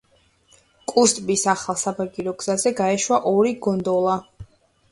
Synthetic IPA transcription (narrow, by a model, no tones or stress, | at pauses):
kʼust̪ʼbisaχalˠsabaɡiɾɔɡz̥azɛɡaɛʃwaʔɔɾiɡɔnd̪ɔlˠa